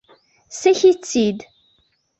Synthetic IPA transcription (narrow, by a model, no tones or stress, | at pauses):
sæçit͡sːid̪